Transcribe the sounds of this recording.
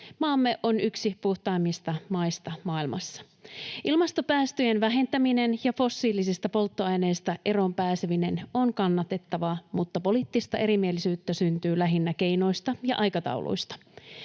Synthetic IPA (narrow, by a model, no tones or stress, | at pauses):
mɑːmːeʔo̞nyksipuht̪ɑːmːist̪ɑmɑjst̪ɑmɑːilmɑ̰sːɑ̥ | ʔilmɑst̪opæːst̪yjenʋæɦe̞nt̪æmine̞njɑfo̞sːiːlisist̪ɑpo̞lt̪ːoɑjne̞ːst̪æʔe̞ɾo̞mpæːseʋine̞no̞nkɑnːɑt̪e̞t̪ːɑʋɑmut̪ːɑpo̞liːt̪ːist̪ɑʔe̞ɾimielisyːt̪ːæsynt̪yːlæɦinːæk̟e̞jno̞jst̪ɑjɑʔɑjkɑt̪ɑ̰ṵlʔo̰jst̪ɑ̥